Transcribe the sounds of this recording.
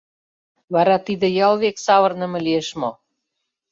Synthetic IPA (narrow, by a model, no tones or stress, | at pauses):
βɑɾɑt̪id̪ĕjɑlˠβeksɑβɤrnə̆mə̆lieʃmo